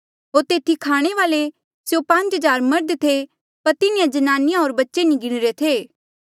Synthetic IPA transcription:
ɦoːɾt̪eːt̪ʰikʰaːɽ̃eʋaːle | sjopɐ̃ɲt͡ʃɦɐd͡ʒaːɾmɐɾd̪t̪ʰe | pɐɾt̪ɪnijãd͡ʒɐnaːnɪjãɦoːɾbɐtːʃenĩɡɪɽ̃ɾet̪ʰeː

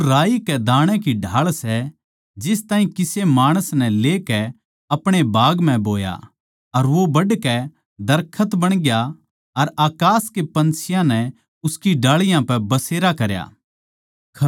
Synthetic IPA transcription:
ɾaːikɛd̪ãːɽ̃ɛ̃kiɖʱaːɭsɛ | d͡ʒɪst̪ãːɦĩkɪsemaːɽ̃əsnɛ̃leːkɛ | ɐpɽ̃ebaːɡmɛ̃boːja̰ | ɐɾʋobɐɖkɛ | d̪ɐɾkʰət̪bɐɽ̃ɡja | ɐɾaːkaːskepɐ̃nsɪjãnɛ | ʊskiɖaːɭɪjãpɛbɐseːɾakɐɾja̰ː

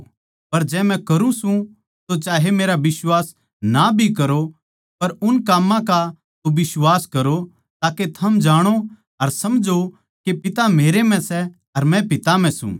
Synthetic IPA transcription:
pɐɾd͡ʒɛːmɛ̃kɐɾũsũ | t̪ot͡ʃaːɦemeːɾabɪswaːs | nabʱikɐɾo | pɐɾʊnkaːmːãka | t̪obɪswaːskɐɾo | t̪aːket̪ʰɐmd͡ʒaːɽ̃o | ɐɾsɐmd͡ʒo | kepɪt̪ameːɾem̤ɛ̃sɛ | ɐɾmɛ̃pɪt̪am̤ɛ̃sṵ̃

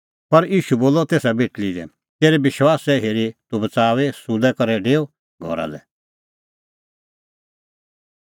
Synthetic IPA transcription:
pɐɾiːʃuboːlɔt̪eːsabeːʈlid̪ɛ̰ | t̪eːɾɛbɪʃwaːsɛɦeːɾit̪ubɐt͡saːʋesud̪ɛkɐɾɛɖeːo | ɡʱɔ̰ɾa̰lɛ̰

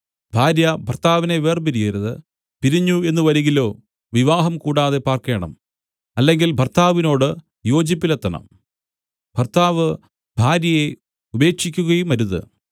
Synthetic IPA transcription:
bʱaːɾjɐbʱɐrt̪aːʋine̞ʋe̞ːrpiɾijɐɾuðɨ̰ | piɾiɲːue̞nːuʋɐɾiŋɡilo̞ː | ʋiʋaːɦɐmkuːɽaːðepaːrke̞ːɳɐ̰m | ɐlːe̞ŋɡilbʱɐrt̪aːʋino̞ːɽɨ | jo̞ːd͡ʑipːilet̪ːɐnɐ̰m | bʱɐrt̪aːʋɨ | bʱaːɾjɐje̞ | ube̞ːkʂikʲːuɣɐjumɐɾuðɨ̰

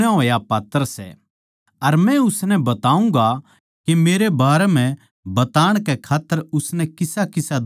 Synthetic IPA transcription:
aɦoːjapaːt̪ːəɾsɛ̰ | ɐɾmɛ̃ʊsnɛbɐt̪aːũŋɡa | kemeːɾebaːɾɛm̤ɛ̃ | bɐt̪aːɽ̃kɛkʰaːt̪ːəɾʊsnɛkɪsakɪsad̪

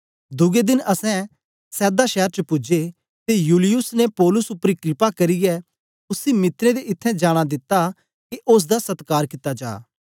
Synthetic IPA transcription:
d̪ʊɡed̪ɪnʔɐsɛ̃ | sɛːd̪aʃɛːɾt͡ʃəpʊd͡ʒe | t̪ejuːlɪjʊsnepɔːlʊsʊpːɾikɾɪpakɐɾɪjɛ | ʊsimɪt̪ɾẽd̪eɪt̪ʰːɛ̃d͡ʒaːɽ̃ad̪ɪt̪ːa | kiʔʊs̬d̪asɐt̪kaːɾkɪt̪ːad͡ʒa̰ː

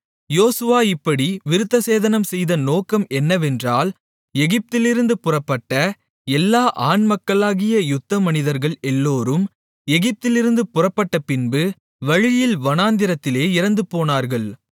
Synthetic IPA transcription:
joːsɯʋaːɪpːɐɽiʋɪɾɯt̪ːɐseːðɐnɐmsɛjðɐnoːkɐmɛnːɐʋɛndraːl | ɛɣɪp̚t̪ɪlɪɾɯnd̪ɯpʊrɐpːɐʈːɐ | ɛlːaːʔaːnmɐkːɐɭaːɣɪjɐjʊt̪ːɐmɐnɪðɐɾɣɐɭɛlːoːɾɯm | ɛɣɪp̚t̪ɪlɪɾɯnd̪ɯpʊrɐpːɐʈːɐpɪnbɯ | ʋɐɻɪjɪlʋɐnaːnd̪ɪɾɐt̪ːɪleːɪɾɐnd̪ɯpoːnaːɾɣɐɭ

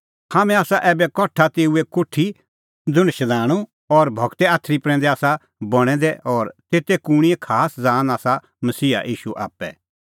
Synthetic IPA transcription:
haːmɛ̃aːsaʔɛːbɛkɔʈʰat̪eːuekʊʈʰːi | d͡zʊ̃nʃɐlaːɽ̃u | ɔɾbʱɐɡt̪ɛaːt̪ʰːɾipɾɛ̃ːnd̪ɛaːsa | bɔɽ̃ɛ̃d̪ɛɔːɾt̪eːt̪ekuɽ̃iekʰaːsd͡zaːnaːsa | mɐsiːa̰ʔiːʃuʔa̰ːpːɛ̰

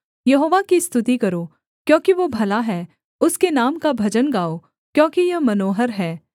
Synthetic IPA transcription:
jɐɦoːʋakist̪ʊt̪ikɐɾoː | kjõːkiʋobʱɐlaɦɛː | ʊskenaːmkabʱɐd͡ʒənɡaːo | kjõːkijɐɦmɐnoːɦəɾɦɛː

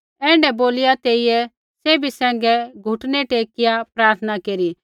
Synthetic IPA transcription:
ɛ̃ːɳɖɛboːlɪjat̪eːijɛ | seːbʱisɛ̃ːŋɡɛɡʱʊʈnɛʈeːkɪjapɾaːɾt̪ʰənakeːɾi

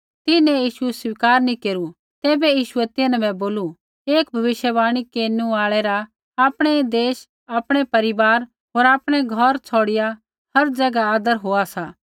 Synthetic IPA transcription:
t̪ɪnɛ̃jiːʃuswɪkaːɾnĩkeːɾu | t̪ɛːbɛjiːʃʊɛt̪ɪnɛ̃bɛ̃boːlu | eːkbʱɐʋɪʃjəbaːɽ̃ikeːnũaːɭɛɾa | aːpɽ̃ɛd̪eːʃ | aːpɽ̃ɛpɐɾɪbaːɾ | ɦoːɾaːpɽ̃ɛɡʱɐɾt͡sʰoːɽɪja | hɐɾd͡ʒɐɡaaːd̪əɾɦoːasaː

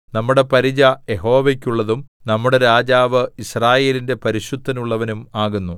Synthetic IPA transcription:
nɐmːuɽe̞pɐɾid͡ʑɐje̞ɦo̞ːʋekʲːuɭːɐðumnɐmːuɽe̞ɾaːd͡ʑaːʋɨisraːje̞ːlinde̞pɐɾiɕud̪ʱːɐnuɭːɐʋɐnumaːɣunːu

